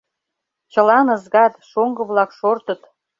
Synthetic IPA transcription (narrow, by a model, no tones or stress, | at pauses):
t͡ɕə̆lɑnɤ̆zɣɑt̪ʃoŋɡə̆βlɑkʃort̪ə̆t̪